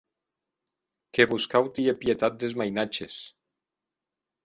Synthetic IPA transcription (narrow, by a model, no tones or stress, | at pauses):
keβuskawt̪iepjet̪at̪̚d̪ezmajnat͡ʃes